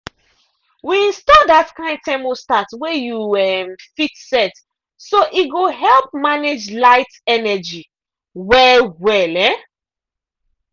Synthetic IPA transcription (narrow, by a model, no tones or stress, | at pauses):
wiĩnstɔdatkãɪ̃ndtɛmostatwɛjuɛmfitsɛt | soʔiɡoɦɛlp̚maned͡ʒlaɪtɛnɛd͡ʒi | wɛwɛlɛ